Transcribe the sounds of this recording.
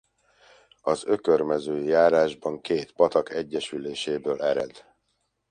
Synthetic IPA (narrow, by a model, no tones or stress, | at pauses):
ɒzøkørmɛzøːjaːɾaːʒbɒŋkeːt̪pɒt̪ɒkɛɟːɛʃyleːʃeːbøːlɛɾɛd̪